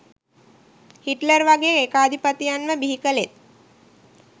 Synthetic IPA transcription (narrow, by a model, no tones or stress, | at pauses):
hiʈləɾʋaɡeekaːd̪ʱipət̪ijanməbiɦikəlet̪̚